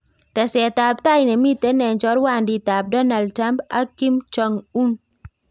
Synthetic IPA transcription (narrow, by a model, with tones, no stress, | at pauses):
tɛ˨sɛ˨ta˨p̚ta˦jnɛ˨mi˦te˨˦nɛ˨nt͡ʃɔ˨˦ɾwa˦˨ndi˦˨ta˨p̚dɔ˦na˨ld̚tɾa˦mpa̰˦ki˦mt͡ʃɔ˨ŋu˦n